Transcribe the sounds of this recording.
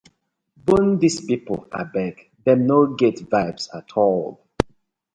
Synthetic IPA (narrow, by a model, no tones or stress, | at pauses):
bõndispipəla̰bɛɡ | dɛ̃mnoɡetvaɪbsa̰tʰɔl